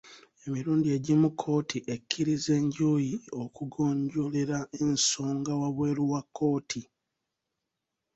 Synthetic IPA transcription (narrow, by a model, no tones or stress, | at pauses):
e̞miɾuːndie̞ɟimukʰːo̞ːtʰiʔekʰːiɾize̞ːɲɟoːjiokuɡo̞ːɲɟo̞le̞ɾae̞nso̞ːŋɡawaβwe̞ːɾuwakːo̞ːtʰi